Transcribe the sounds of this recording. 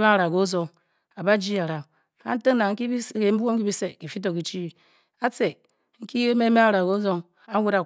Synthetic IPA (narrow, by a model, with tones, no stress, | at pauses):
a˦˨ɾa˨ɡo˦zo˦ŋ | a˨ba˦d͡ʒi˦a˨ɾa˨ŋ | a̰˦n̩˦te˦ŋna˨ŋ̩˦i˦i˦ke˨m̩˦bu˦wo˦m˦ki˦bi˦se˨ki˨fi˦t̬o˨ki˨t͡ʃi˦ | a˦t͡se˨ | ŋ̩˦ki˦e˦me˦me˦a˦˨ɾa˨ɣo˦zo˦ŋ | a˦wʷu˦ɾa˨